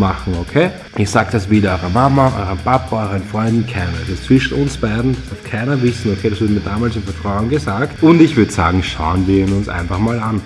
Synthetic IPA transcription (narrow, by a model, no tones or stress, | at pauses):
maχŋ̩okʰeː | ʔisaːɡ̚d̥asviːɾɐɔʏʁəmamɐʔɔ̰ʏʁənpʰapɐɔʏʁənfʁ̥ɔʏ̃ndn̩kʰaɪnɐɛsɪst͡sv̥ɪʃn̩ʊnsb̥aɪdn̩d̥aftkʰaɪnɐvɪsn̩okʰeːdɾasvʊɐdəmiːɐdaːmaːlsɪnfɛɐtʁ̥aʊʊnɡəsaːktʊndɪçvʏɐdəsa̰ːɡŋ̩ʃa̰ʊənviːɐnʊnsʔa̰ɪnfaχmaːlan